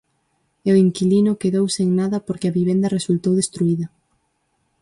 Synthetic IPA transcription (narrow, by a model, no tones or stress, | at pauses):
ɛoiŋkilinʊkeðowseŋnaðɐpoɾkɪɐβiβend̪ɐresult̪owðest̪ɾuiðɐ